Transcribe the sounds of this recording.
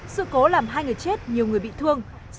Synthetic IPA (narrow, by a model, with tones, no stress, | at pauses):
sɨ̰˧˨ko˨˦laː˨˩mɦaː˧jŋɨ˨˩əjt͡ɕe˦˥t̚ɲi˨˩əwŋɨ˨˩əɓḭ˧˨t̪ʰɨ˧əŋ